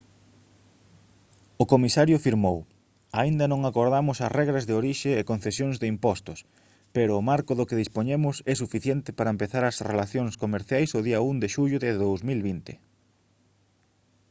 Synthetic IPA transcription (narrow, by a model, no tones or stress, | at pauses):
ʊkomisaɾjʊfiɾmow | aind̪ɐnõŋakoɾðamʊsɐsrɛɣɾɐzðeoɾiʃɪːkõn̟θesjoŋzðɪimpɔst̪ʊs | peɾʊːmaɾkʊðʊkeðispoɲemʊsɛsufiθjɛnt̪ɪpaɾɐempeθaɾɐsrḛlaθjoŋskomeɾθjajsʊðiɐund̪eʃuʎʊðɪðowzmilβint̪ɪ